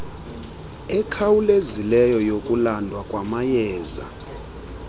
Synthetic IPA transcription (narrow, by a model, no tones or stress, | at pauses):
ɛkʰawulezilɛjɔjokʼulandʱwakʼwamajɛːza̰